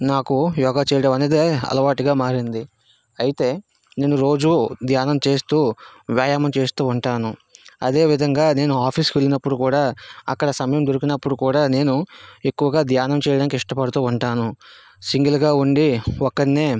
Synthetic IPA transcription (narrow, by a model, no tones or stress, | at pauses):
naːkujɔːɡaːt͡ʃɛːjɐɽɐmɐneːd̪eɐ̰lɐʋaːʈiɡaːmaːɾind̪i | ɐjit̪e̞ː | ne̞ːnuɾo̞ːd͡ʒud̪jaːnɐmt͡ʃe̞ːst̪uːʋjaːjaːmɐmt͡ʃe̞ːst̪uːuɳʈaːnuɐd̪e̞ːʋid̪ʱɐŋɡaːne̞ːnuaːpʰiːskʋe̞linɐpːuɽukuːɽaːɐ̰kːɐɽɐsɐmɐjɐmd̪oɾukinɐpːuɽukuːɽaːne̞ːnue̞kːuʋɐɡaːd̪jaːnɐmt͡ʃɛːjɐɽaːnikiʂʈɐpɐɽut̪uːuɳʈaːnu | siŋɡilɡaːuɳɖiɔkːɐɽneː